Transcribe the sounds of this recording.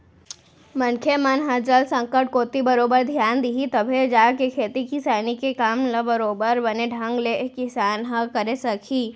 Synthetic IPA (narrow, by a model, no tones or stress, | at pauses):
mɐnkʰemɐnɦəd͡ʒɐlsə̃ŋkəʈ̚koːt̪ibɐɾoːbəɾd̪ʱjaːnd̪iɦit̪ɐbʱed͡ʒaːkekʰeːt̪ikisaːnikekaːmlɐbɐɾoːbəɾbɐneɖʱɐ̃ŋɡlekɪsaːnɦəkɐɾesɐkʰiː